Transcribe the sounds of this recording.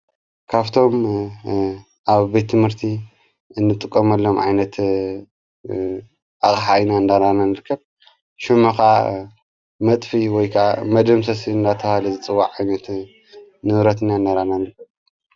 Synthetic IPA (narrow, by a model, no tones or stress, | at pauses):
kʰaβt̪ʰo̞m | ʔaβbet̪ʰːɨmhɨɾt̪ʰi | ɨnːɨt̪ʼɨkʼːɐmɐlːo̞mʕa̰jnɐt̪ | ʔaχʼħajnaɨnd̪aɾananɨɾɨkʰːɐβ | ʃumɐxa | mɐt̪ʼfiwɔjkʰamɐd̪ɐmsɐsiɨnd̪at̪ʰɐβahalɐzɨt͡sʼɨwːaʕajnɐt̪ | nɨβɾɐt̪ɨnaɨnd̪aɾananɨɾɨkːɐβ